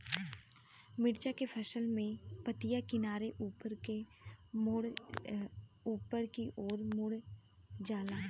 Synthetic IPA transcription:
mɪɽt͡ʃakepʰəʃəlmẽpət̪ijakɪnaːɾeʔuːpəɾke | mʊɽ | uːpəɾkiʔɔːɾmʊɽ | d͡ʒaːlaː

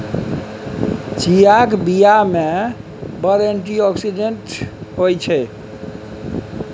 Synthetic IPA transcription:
t͡ʃijakbijamẽ | bəɾeɳʈiɔksiɖeɳʈɦojt͡ʃʰɛ

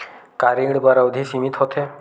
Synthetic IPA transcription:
kaɾiɽbaɾawd̪ʱisimit̪ɦɔt̪ʰe

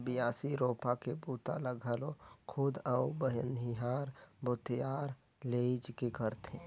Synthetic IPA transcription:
bɪjaːsiɾoːpakebuːt̪a̰ləɡʱəlokʰʊd̪əʊbəɦəniɦaːɾbʊt̪jaːɾ | leːid͡ʒkekəɾt̪ẽ

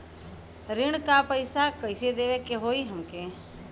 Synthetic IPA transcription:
ɾɪɳ̃kapəjsakəjsed̪eʋekeɦoːiɦəmke

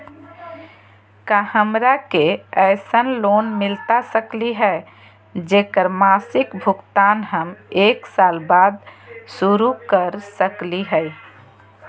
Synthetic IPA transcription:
kahəmɾakeɛɪsənlonmɪlt̪asəkliɦɛ | d͡ʒekəɾmaːsɪkbʱʊɡt̪anɦəmeːksaːlbaːd̪̚suɾukəɾsəkliɦɛj

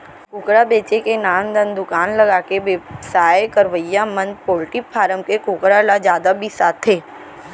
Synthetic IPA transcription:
kʊːkɾabeːt͡ʃekenaːnd̪ə̃nd̪ʊkaːnləɡaːkeʋesaːjekəɾʋəijamə̃nd̪̚poːlʈɪpfʰaːɾəmkekʊːkɾalad͡ʒjaːd̪abʱisaːt̪ʰɦeː

